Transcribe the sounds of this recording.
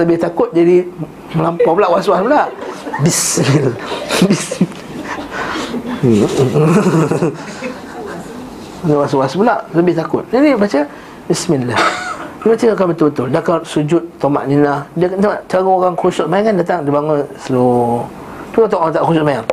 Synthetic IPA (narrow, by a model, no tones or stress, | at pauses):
ləbɪht̪akʊt̪̚d͡ʒadi | məlampawbəlaʔwaswasbəlaʔbismilbism | nəwaswasbəlaʔləbɪht̪akʊt̪̚d͡ʒadibat͡ʃə | bisminladibat͡ʃəakanbət̪ʊlbət̪ʊldakarsud͡ʒʊt̪̚ːoma̰ʔninahdiəkant̪at͡ʃaɣooɣaŋkusɔt̚majaŋkandat̪aŋdibaŋaslo | t̪uot̪̬ɔʔaŋt̪aʔkususmajaŋ